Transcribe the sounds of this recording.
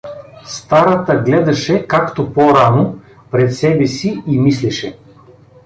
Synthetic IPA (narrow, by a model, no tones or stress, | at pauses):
st̪aɾɐt̪əɡlɛd̪ɐʃɛkakt̪opoɾano | pɾɛt̪sɛbɛsiimislɛʃɛ